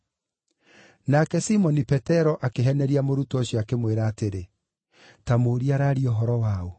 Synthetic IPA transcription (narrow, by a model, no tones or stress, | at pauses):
nakɛsimɔnipɛtɛɾɔʔakeɦɛnɛɾiamoɾutɔɕiakemweɾaːteɾe | tamoːɾiaɾaɾiɔɦɔɾɔwao